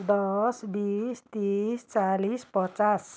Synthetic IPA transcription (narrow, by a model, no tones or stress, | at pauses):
d̪ɔsbist̪ist͡ʃalispət͡ʃas